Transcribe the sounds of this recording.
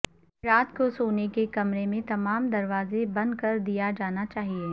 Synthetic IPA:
ɾaːt̪kosoːnekekɐmɾemẽt̪ɐmaːmd̪ɐɾʋaːzebɐ̃nd̪̚kɐɾd̪ijad͡ʒaːnat͡ʃaːɦie

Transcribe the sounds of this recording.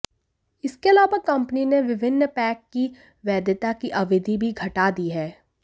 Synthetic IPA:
ɪskeɐlaːʋakɐ̃mpənineʋɪʋɪnːəpɛːkːi | ʋɛːd̪jət̪akiʔɐʋɪd̪ʱibʱiɡʱɐʈaːd̪iɦɛː

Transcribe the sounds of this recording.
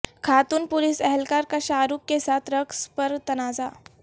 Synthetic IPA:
kʰaːt̪uːnpulisɛɦɛlkaɾkaɕaːɾukːesat̪ʰɾəkspəɾt̪ɐnaːza

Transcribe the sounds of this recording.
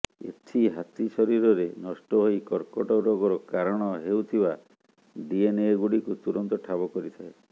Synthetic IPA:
ḛt͡ʃʰiɦat̪isɔɾiɾɔɾenɔsʈɔɦojkɔɾkɔʈɔɾɔɡɔɾɔkaɾɔɽ̃ɔɦewt̪ʰiba | d̪ieneeɡuɽikut̪uɾɔnt̪ɔʈʰabɔkɔɾit̪ʰae

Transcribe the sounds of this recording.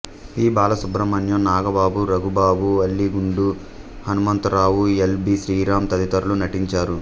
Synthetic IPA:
iːbaːlɐsubɾɐmɐnjɐnaːɡɐbaːbuɾɐɡubaːbuɐlːiɡuɳɖu | hɐnumɐnt̪ɾaːwuelbiʃɾiːɾaːmt̪ɐd̪it̪ɐɾulunɐʈiɲt͡ʃaːɾu

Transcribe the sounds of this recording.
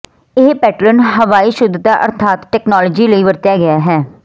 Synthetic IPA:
ɪɦpɛːʈlənɦəʋaːiːʃʊd̪t̪aːʔə̰ɾt̪ʰaːt̪ʈɛːknɔːlɔːd͡ʒiːləiːʋəɾt̪jaːɡɪaːɦɛː

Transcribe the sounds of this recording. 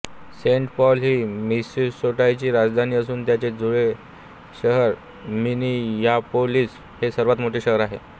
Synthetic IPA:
seɳʈpɔlɦiːmisisoʈajt͡ɕiːɾad͡zd̪ʱaniːəsuːnt̪jat͡ɕed͡zuɭe | ɕəɦəɾ | minijapoliːs | hesəɾʋat̪moʈeːɕəɦəɾaɦḛ

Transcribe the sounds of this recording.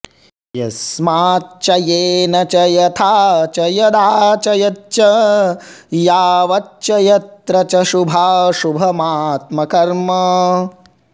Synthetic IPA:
jɐ̰smaːtt͡ʃɐjeːnɐt͡ʃɐjɐt̪ʰaːt͡ʃɐjɐd̪aːt͡ʃɐjɐt͡ʃɐ | jaːʋɐt͡ʃɐjɐt̪ɾɐt͡ʃɐʃubʱaːʃubʱɐmaːt̪mɐkɐɾmɐ

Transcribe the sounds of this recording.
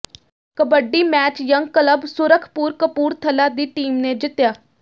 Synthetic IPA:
kəbəɖiːmɛːt͡ʃjəŋɡkələbsʊɾəkʰːpuːɾkəpuːɾt̪ʰəlaːd̪iːʈiːmneːd͡ʒɪt̪jaː

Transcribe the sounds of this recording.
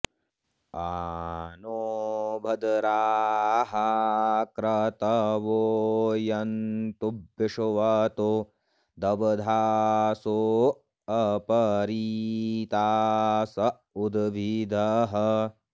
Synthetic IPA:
a | nobʱɐd̪ɐɾaːɦakɾɐt̪ɐʋoːjɐnt̪ubːiʂuʋɐt̪o | d̪ɐbɐd̪ʱaːsoː | ɐpɐɾit̪aːsɐ | ud̪ʋid̪ʱɐɦɐ

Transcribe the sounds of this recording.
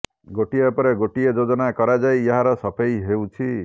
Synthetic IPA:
ɡoʈiepɔɾeɡoʈijed͡ʒod͡ʒɔnakɔɾad͡zajjaɦaɾʌsʌpʰejɦewt͡ʃʰi

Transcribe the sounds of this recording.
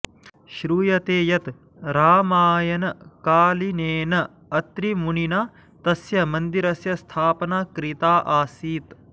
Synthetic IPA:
ʃɾuːjɐt̪eːjɐt̪ | ɾaːmaːjɐnɐkaːlineːnɐ | ɐt̪ɾimuninɐ | t̪ɐsjɐmɐnd̪iɾɐsjɐst̪ʰaːpɐnakɾit̪aːʔaːsiːt̪

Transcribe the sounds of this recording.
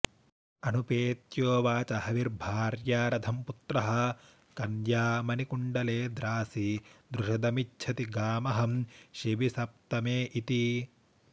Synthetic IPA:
ɐnupeːt̪joːʋaːt͡ʃɐhɐʋiɾbʱaːɾjaːɾɐd̪ʰʱɐmput̪ɾɐɦɐ̆ | kɐnjaːmɐnikuɳɖɐleːd̪ɾaːsid̪ɾuʃɐd̪ɐmitːt͡ʃʰɐt̪iɡaːmɐɦɐmʃiʋisɐp̚t̪ɐmeːʔit̪i

